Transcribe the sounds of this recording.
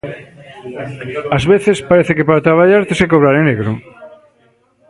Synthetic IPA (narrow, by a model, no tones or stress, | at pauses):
azβeθespaɾeθekepaɾat̪ɾaβ̞aʎaɾt̪esekoβɾaɾeneɣɾo